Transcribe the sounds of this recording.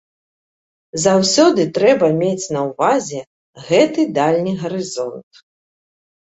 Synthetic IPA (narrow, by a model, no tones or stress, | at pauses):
zawsʲɔd̪ɨt̪ɾɛbɐmʲet͡sʲnɐwvazʲɛ | ɣɛt̪ɨd̪alʲnʲiɣɐɾɨzɔnt̪